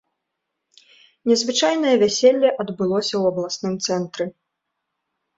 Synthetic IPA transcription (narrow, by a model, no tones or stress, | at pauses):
nʲɛzvɨt͡ʂajn̪ɐjɐvʲasʲelʲːɐʔɐd̪bɨlˠɔsʲɐwɐblˠasnɨmt̪sɛnt̪ɾɨ